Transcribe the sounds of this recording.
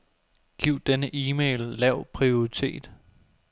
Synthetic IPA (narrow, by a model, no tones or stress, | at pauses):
ɡ̥iʊ̰d̥enəʔiːmeːlːɛʊ̰pʰʁioit͡sʰe̝̰ːd̥